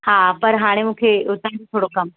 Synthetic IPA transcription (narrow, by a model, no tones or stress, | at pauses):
haːpɐɾɦaːɽ̃emũːkʰeʊt̪ãd͡ʑot̪ʰoːɽokɐm